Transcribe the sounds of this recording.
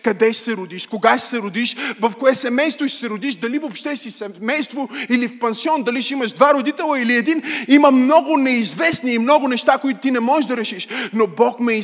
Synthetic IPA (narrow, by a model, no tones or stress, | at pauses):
kɐd̪ɛʃsɛɾʊd̪iʃkoɡaʃsɛɾʊd̪iʃvɐfkoɛsɛmɛjst̪voʃsɛɾʊd̪iʃd̪ɐlivopʃt̪ɛsisɛmɛjst̪voilifpɛnsiɔnd̪ɐliʃiməʃd̪vaɾod̪it̪ɛlˠɐiliɛd̪iniməmnɔɡʊnɛizvɛsniːmnɔɡʊnɛʃt̪akoit̪ʊt̪inɛmɔɛʒd̪ɐɾɛʃiʃnobɔkmɛ